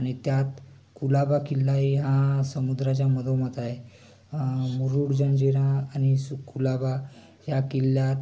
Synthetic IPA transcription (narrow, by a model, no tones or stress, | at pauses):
aɽ̃it̪jat̪ | kulabakilːaiɦãsəmud̪ɾat͡ɕjaməd̪ʱomət̪ae | muɾuɽd͡ʑəɳd͡ʑeɽãːñisukʰːulaba | jakilːjat̪